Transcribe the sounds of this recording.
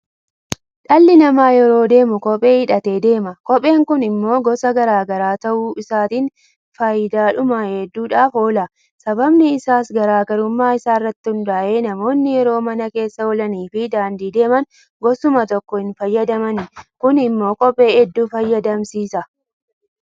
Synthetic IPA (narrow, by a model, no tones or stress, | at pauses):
ᶑɐlːɪnɐmaːjɛɾo̞ːd̪e̞ːmʊkɔpʼe̞ːɪᶑɐt̪eːd̪e̞ːmɐkɔpʼe̞ːŋkʊnɪmːo̞ːɡɔsɐɡɐɾaːɡɐɾaːt̪ɐʔuːʔɪsaːt̪iːn | fɐjd̪aːᶑʊmahɛd̪ːuːᶑaːfo̞ːlɐ | sɐbɐbnɪɪsaːsɡɐɾaːɡɐɾʊmːaːɪsaːɪrːɐt̪ːɪhʊnd̪aːʔeːnɐmo̞ːnːɪjɛɾo̞ːmɐnɐke̞ːsːɐɔlɐniːfɪd̪aːnd̪iːd̪e̞ːmɐn | ɡɔsʊmɐt̪ɔkːɔhɪnfɐjːɐd̪ɐmɐnɪkʊnɪmːo̞ːkʼɔpʼːe̞ːʔɛd̪ːuːfɐjːɐd̪ɐmsiːsɐ